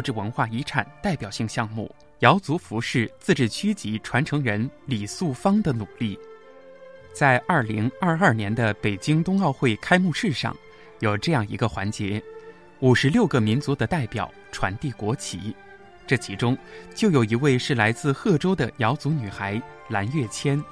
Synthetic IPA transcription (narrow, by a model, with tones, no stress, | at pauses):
u˥˧ʈ͡ʂɻ̩˥˩wə˧˥nxwa˥˩i˧˥ʈ͡ʂʰa̰˨˩nt̪a˥˩ɪpjɑ˨˩ʊɕi˥˧ŋɕjɑ˥˧ŋmṵ˥˩ | jɑ˧˥ʊt͡su˧˥fu˧˥ʂɻ̩˥˩t͡sɹ̩˥˧ʈ͡ʂɻ̩˥˩t͡ɕʰy˥t͡ɕi˧˥ʈ͡ʂʰwa˧˥nʈ͡ʂʰɤ˧˥ŋɻə˧˥nli˨˩su˥˩fɑ˥ŋd̪ə˨nu˨˩li˥˩ | t͡sa˥˧ɪʔɐ˞˥˩li˧˥ŋɐ˞˥˧ɐ˞˥˩njɛ˧˥nd̪ə˧pe˨˩ɪt͡ɕi˥ŋt̪ʊ˥ŋɑ˥˧ʊxwe˥˩ɪkʰa˥ɪmu˥˧ʂɻ̩˥˧ʂɑ̰˥˧ŋ | jo˨˩ʊʈ͡ʂɤ˥˧jɑ˥˩ŋḭ˧˥ɡə˧xwa̰˧˥nt͡ɕjɛ˧˥ | u˨˩ʂɻ̩˧˥ljo˥˩ʊɡə˩mi˧˥nt͡su˧˥d̪ə˧t̪a˥˩ɪpjɑ̰˨˩˦ʊʈ͡ʂʰwa̰˧˥nt̪i˥˩kwɔ˧˥t͡ɕʰḭ˧˥ | ʈ͡ʂɤ˥˩t͡ɕʰi˧˥ʈ͡ʂʊ˥ŋt͡ɕjo˥˩ʊjo˨˩ʊi˧˥we˥˧ɪʂɻ̩˥˩la˧˥ɪt͡sɹ̩˥˧xɤ˥˩ʈ͡ʂo˥ʊd̪ə˨jɑ˧˥ʊt͡su˧˥ny˨˩xa˧˥ɪ | la˧˥nɥɛ˥˩t͡ɕʰjɛ˥n